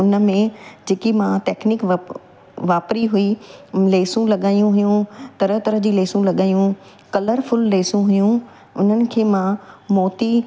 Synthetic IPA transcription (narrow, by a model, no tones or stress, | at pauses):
ʊnə̆mẽd͡ʑeːkimãʈɛːknɪkʋ | ʋaːpɾiɦʊileːsũlɐɠaːjũɦʊjũt̪ɐɾəɦt̪ɐɾəɦd͡ʑiːleːsũlɐɠaːijũ | kɐləɾfʊlːeːsũɦʊjũ | ʊn̤ənɪ̆kʰeːmãmɔːt̪i